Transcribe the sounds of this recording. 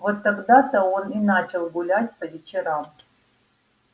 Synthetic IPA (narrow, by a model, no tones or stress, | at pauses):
vot̪ːɐɡd̪at̪əoninat͡ɕɪlˠɡʊlʲatʲpəvʲɪt͡ɕɪɾam